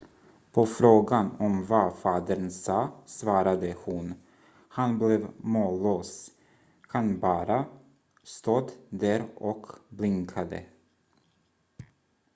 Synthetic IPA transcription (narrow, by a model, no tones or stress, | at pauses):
pʰɔfɾoːɡanɔmvafɑːd̪ənsɑːsvɑːɾad̪əhʊn | hanblɛvmoːloːs | kʰanbɑːɾa | st̪oːd̪d̪æɾɔkblɪŋkʰad̪ə̰